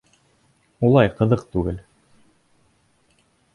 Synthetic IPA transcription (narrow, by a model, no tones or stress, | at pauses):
ulˠɑjqɤ̆ðɤqt̪ʉɡɘl